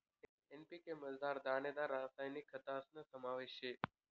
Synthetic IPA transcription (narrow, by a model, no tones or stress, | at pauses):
enpikeməzd̪aːɾd̪aːɳed̪aɾːãːsaːjnikʰːət̪aəsnəsəmaːʋeʃe